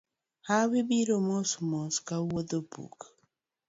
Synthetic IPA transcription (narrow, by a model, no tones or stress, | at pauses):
hawibiɾomɔsmɔskawod̪obṵk